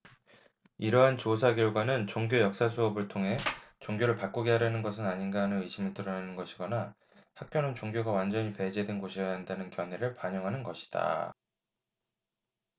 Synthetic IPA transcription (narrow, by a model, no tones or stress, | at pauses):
iɾʌɦant͡ɕosʰaɡjʌɭɡwanɯnt͡ɕoŋɡjojʌk̚s͈as̬ʰuʌbɯɭtʰoŋɦe̞t͡ɕoŋɡjoɾɯɭpak͈oɡeɦaɾjanɯnɡʌs̬ʰɯnaɲinɡaɦanɯnɯiɕʰimɯɭtɯɾʌnanɯnɡʌɕʰiɡʌna | hak̚k͈jonɯnt͡ɕoŋɡjoɡawand͡ʑʌɲipe̞d͡ʑedwenɡoɕʰijaɦandanɯnkjʌnɦe̞ɾɯɭpaɲʌŋɦanɯnɡʌɕʰi̥d̥a̰